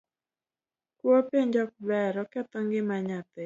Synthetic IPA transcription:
kwopeɲd͡ʒɔk̚bɛɾɔkɛt̪ɔŋɡɪmaɲat̪ɛ

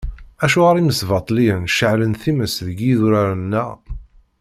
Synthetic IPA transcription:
æʃuʁaɾiməsvɑt̪ˤlinʃəʕlənθiməsðəɡiðuɾaɾənːæ

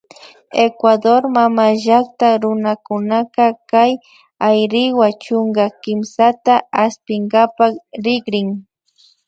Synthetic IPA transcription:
ekwad̪oɾmamaʒak̚t̪aɾʊnakʊnakakaj | ajɾɪwat͡ʃʊŋɡakɪmsat̪aaspɪŋɡapakɾɪɡɾɪŋ

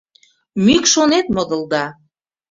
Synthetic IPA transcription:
mykʃonet̪̚mod̪ə̆ld̪ɑ

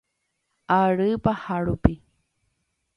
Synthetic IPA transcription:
aɺɨːpahaɺupi

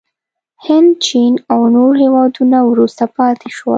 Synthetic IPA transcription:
hɪnd̪t͡ʃinawnoɾhewɑd̪unawɾust̪apɑt̪eʃwə̰

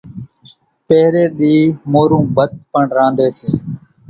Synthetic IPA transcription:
peːɾeːɗ̪iːmoːɾũːbət̪̚pəɳɾãːnd̪eːsiː

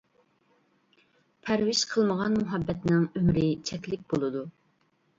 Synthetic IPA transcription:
pʰæɾwɪʃqʰəlˠməʁɑnmuɦɑbːɛt̪nɪŋømɾɪt͡ʃʰɛkʲlɪk̚ʲbolˠɨd̪u

